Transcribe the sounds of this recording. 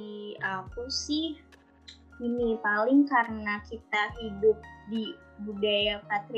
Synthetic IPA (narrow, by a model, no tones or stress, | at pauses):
iakusɪh | inipalɪŋkaɾənakit̪aɦidʊp̚di | budajapat̪ɾ